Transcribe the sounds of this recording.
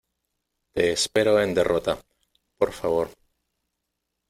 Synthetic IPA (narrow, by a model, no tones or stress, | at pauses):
t̪eːspeɾoend̪e̞rʔot̪a | po̞ɾfaβ̞o̞ɾ